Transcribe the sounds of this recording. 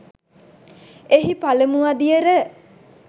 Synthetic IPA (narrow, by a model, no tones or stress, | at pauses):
eɦipaləmuʋad̪ijəɾə